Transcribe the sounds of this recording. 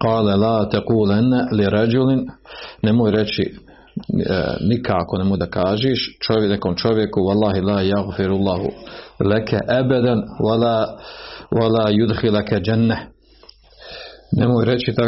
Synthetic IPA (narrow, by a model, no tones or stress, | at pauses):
qɑːlalaːt̪aquːlanːaliɾˤɑd͡ʒulɪnːemoːjɾet͡ʃḭ | nikʰaako̞nemojd̪akaːʒeːʃt͡ʃonakomt͡ʃo̞ʋjekuwɑlˠːɑːɦilaːjaɣfɪɾalˠˤːɑːɦṵlakaʔabad̪anwalaː | walaːjud̪xilakad͡ʒanːa | nemoːjɾet͡ʃit̪a